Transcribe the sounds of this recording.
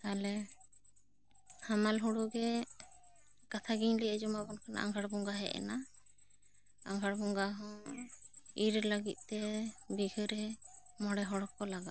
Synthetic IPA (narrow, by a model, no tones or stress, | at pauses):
t̪alɛ | hamalɦuɽuɡɛ | kat̪ʰaɡiɲliɛd͡ʒɔmabɔnkʰana̰a̰ŋɡʱaɽbɔŋɡaɦɛ̰ʔɛ̰na | a̰ŋɡʱaɽbɔŋɡaɦɔ̃ | iɾɛləɡit̪̚ˀt̪ɛbiɡɯɾɛ | mɔɽɛɦɔɽɔkːɔlaɡat̪̚